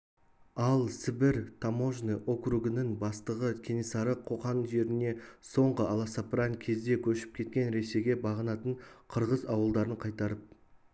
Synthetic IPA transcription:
ɑlˠsɪbɪɾt̪ʰamo̞ʒniʔo̞kruɡənɪŋbɑst̪əʁəkʲʰenisɑɾəqʰːo̞qɑnʒe̞ɾɪne̞so̞ɴʁəɑlˠɑsɑpɾɑŋkʲʰe̞zd̪e̞kʲʰɵʃɪ̥p̚kʲʰe̞t̪̚kʲe̞nɾe̞se̞ɡʲebɑʁənɑt̪əɴqʰəɾʁəzɑwəlˠd̪ɑɾəɴqʰɑjt̪ɑɾəp̚

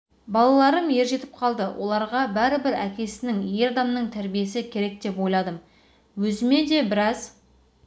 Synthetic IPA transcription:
bɑlˠɑlˠɑɾəmje̞ɾʒe̞t̪ɪ̥p̚qʰɑlˠd̪əwʔo̞̰lˠɑɾʁɑbæɾɪbɪɾækʲe̞sɪnɪŋje̞ɾɑd̪ɑmnəɴt̪ʰæɾbije̞sɪkʲʰe̞ɾe̞k̚d̪e̞pwo̞jlˠɑd̪əm | wɵzɪme̞d̪e̞bɪɾɑz

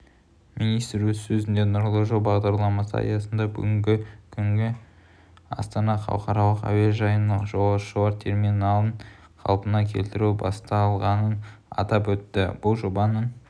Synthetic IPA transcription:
minijst̪ɾwɵzsɵzɪnd̪enʊɾlˠoʒobɑʁd̪ɑɾlˠɑmɑsə̰ɑ̰jɑsənd̪ɑbʏ̰ɡʲɪŋɡʲɪkʲʰʏŋɡʲɪ | ɑ̰st̪ɑnɑχɑ̰wqɑɾɑlˠəqæ̰weʒɑjənɑəqʒowɑʃəw̪ˠɑɾt̪ʲʰe̞rminɑlˠəɴ | qʰɑ̰lˠpənɑkʲʰe̞lt̪ɪɾubɑst̪ɑlˠʁɑnənɑ̰t̪ɑpwɵt̪ːɪ̰b̥ʊlˠʒo̞bɑnən

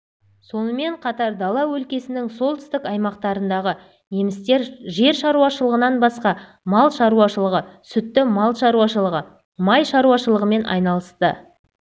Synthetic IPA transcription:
so̞nəme̞ɴqʰɑt̪ɑɾd̪ɑlˠɑwɵlkʲe̞sɪnɪŋso̞lˠt̪ʏ̥ɪst̪ɪkɑjmɑqt̪ɑɾənd̪ɑʁə | je̞mɪst̪e̞ɾʒe̞ɾʃɑɾuɑʃəlˠəʁənɑnbɑsqɑ | mɑlˠʃɑɾuwɑʃəlˠəʁəsʏt̪ːɪmɑlˠʃɑɾuɑʃəəʁə | mɑjʃɑɾuwɑʃəlˠəʁəme̞nʔɑ̰jnɑlˠəst̪ə

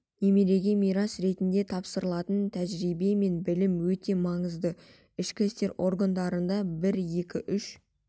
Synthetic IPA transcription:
ne̞meɾe̞ɡʲemijɾɑsɾe̞t̪ɪnd̪e̞t̪ʰɑpsəɾəlˠɑt̪ənt̪ʰæʒɾijbe̞me̞nbɪlɪmwɵt̪e̞mɑŋəzd̪ə | ɪʃkʲɪst̪e̞ɾʔo̞ɾɡand̪ɑɾənd̪ɑbɪɾje̞kʲɪʔʏʃ

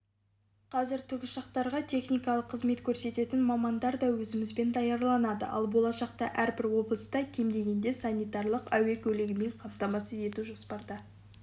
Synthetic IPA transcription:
qʰɑzɪɾt̪ʰʏɡʲɪʃɑqt̪ɑɾʁɑt̪ʲʰe̞χnijkɑlˠəqʰːəzme̞t̪kʲʰɵɾse̞t̪e̞t̪ɪnmɑmɑnd̪ɑɾd̪ɑwɵzɪmɪzbe̞nd̪ɑjɑɾlˠɑnɑd̪ə̰ʔɑ̰lˠbo̞lˠɑʃɑqt̪ɑ̰ʔæɾbɪɾwo̞blˠəst̪ɑkʲʰe̞md̪e̞ɡʲe̞nd̪e̞sɑnʲijt̪ɑrlˠəqæ̰we̞kʲʰɵlɪɡʲɪme̞ɴqʰɑmt̪ɑmɑsəe̞t̪uʒo̞spɑɾd̪ɑ

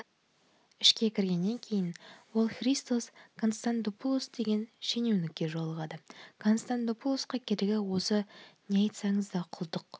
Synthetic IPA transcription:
ɪʃkʲe̞kʲʰɪɾɡʲe̞nːe̞ŋkʲʰe̞jɪnwo̞lˠχrist̪oskʰonst̪ant̪opulˠosd̪e̞ɡʲe̞nʃe̞newnɪk̚ʲːe̞ʒolˠəʁɑd̪əkʰonst̪ant̪opulˠosqɑkʲʰeɾɪɡʲɪwo̞səneɑjt̪sɑɴəzd̪ɑqʰʊlˠd̪əq

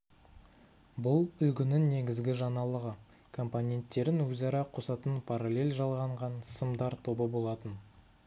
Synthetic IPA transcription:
bʊlˠʏlɡʲɪnɪŋne̞ɡʲɪzɡʲɪʒɑnɑlˠəʁə | kʰo̞mponʲe̞nt̪ːe̞ɾɪnwɵzɑɾɑqʰosɑt̪ənpʰaɾalʲe̞lʲʒɑlˠʁɑɴʁɑnsəmd̪ɑɾt̪ʰo̞bəbo̞lˠɑt̪ən

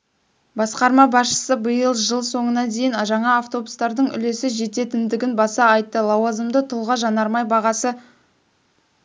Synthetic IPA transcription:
bɑsqɑɾmɑbɑsʃə̥səbəjəlˠʒəlˠso̞ɴənɑd̪e̞jɪnʒɑɴɑːft̪o̞bust̪ɑɾd̪əɴʏ̰le̞sɪʒe̞t̪e̞t̪ɪnd̪ɪɡʲɪnbɑsɑɑjt̪ːəlˠɑwɑzəmd̪ət̪ʰʊlˠʁɑʒɑnɑɾmɑjbɑʁɑsə

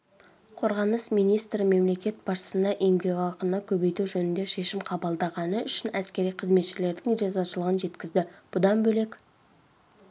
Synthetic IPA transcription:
qʰo̞ɾʁɑnəsmijnijst̪ɾəme̞mle̞kʲe̞t̪̚b̥ɑʃʃə̥sənd̪ɑʔemɡʲeɡʲɑqənːɑkʲʰɵbe̞jt̪uʒɵnɪnd̪e̞ʃe̞ʃɪmqʰɑbɑlˠd̪ɑʁɑnəʏʃɪnæskʲe̞ɾijqʰəzme̞t̪ʃɪle̞ɾd̪ɪŋiʒɑzɑʃəlˠəʁənʒe̞t̪kʲɪzd̪ɪb̥ʊd̪ɑnbɵle̞kʲ

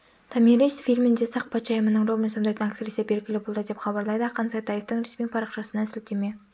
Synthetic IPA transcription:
t̪ʰɑmiɾisfilʲmɪnd̪e̞sɑq̚pɑt̪t͡ʃɑjəmənəɴrovmensond̪ɑjt̪ənak̚t̪eɾisepe̞ɾkʲɪlɪbolˠd̪əd̪e̞pχɑbɑɾlˠɑjd̪əqʰɑnsɑjt̪ʰɑjeft̪əŋɾesmipʰɑɾɑqʃɑsənɑɪsɪl̚t̪eme̞

